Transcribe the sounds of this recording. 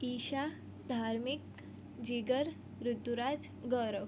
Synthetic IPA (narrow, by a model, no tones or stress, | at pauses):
iɕa | d̪ʱaɾmik | d͡ʑiɡəɾ | ɾud̪uɾad͡z | ɡəɾəʋ